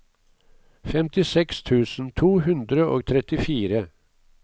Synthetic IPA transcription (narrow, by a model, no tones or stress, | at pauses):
fɛmt̪ɪsɛkst̪ʰʉːsn̩t̪ʰuːhʉnd̪ɾəʔoːɡ̚t̪ʰɾɛt̪ɪfiːɾə